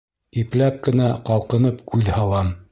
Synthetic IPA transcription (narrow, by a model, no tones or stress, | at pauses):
iplæp̚kɘ̆næqɑlˠqɤ̆nɤpkʉðhɑlˠɑm